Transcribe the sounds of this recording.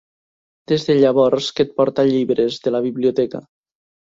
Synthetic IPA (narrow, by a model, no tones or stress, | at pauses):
d̪̥ezðeʎaβɔɾsket̪̚pɔɾt̪aʎiβɾezðelaβiβliot̪ɛka̰